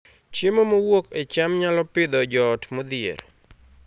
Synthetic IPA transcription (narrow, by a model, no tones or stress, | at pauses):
t͡ʃjemomowoket͡ʃamɲalɔpɪd̪ɔd͡ʒɔtmod̪ɪḛɾ